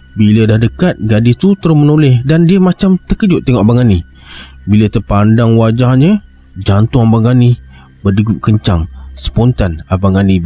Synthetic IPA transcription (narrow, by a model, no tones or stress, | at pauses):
bilədahdəkat̪̚ɡadist̪ut̪əɾʊmənolɪhdandiəmat͡ʃamt̪əkəd͡ʒʊʔ̪ːəŋɔʔbaŋani | bilət̪ərpandaŋwad͡ʒahɲə | d͡ʒant̪ʊŋabaŋani | bərdəɡuʔ̚kəɲt͡ʃaŋsə̥pont̪anabaŋani